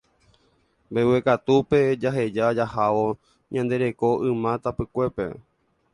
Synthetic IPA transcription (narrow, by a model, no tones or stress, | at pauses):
bewekat̪upe̞d͡ʒaɦe̞d͡ʒad͡ʒahaʋo̞ | ɲãnd̪e̞ɾe̞ko̞ʔɨ̃mãt̪apɨkʷe̞pe̞̰